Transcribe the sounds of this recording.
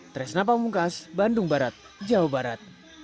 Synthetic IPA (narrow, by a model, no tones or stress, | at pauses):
t̪ɾɛsnap̬amuŋkasbandʊŋbaɾat̪̚ | d͡ʒaɔbaɾat̪̚